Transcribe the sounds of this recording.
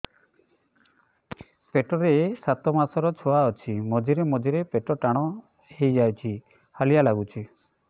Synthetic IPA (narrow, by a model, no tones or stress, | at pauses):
peʈɔɾeːsat̪ɔmasɔɾɔt͡ʃʰoaɔt͡ʃʰimɔd͡ʒiɾemɔd͡ʒiɾepeʈɔʈaɽ̃ɔ | hejd͡ʒajt͡ʃʰi | halijalaɡut͡ʃʰi